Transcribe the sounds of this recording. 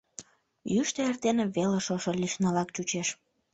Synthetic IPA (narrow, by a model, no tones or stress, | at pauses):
jyʃt̪eert̪eneβeleʃoʃolʲiʃnɑlɑkt͡ɕut͡ɕeʃ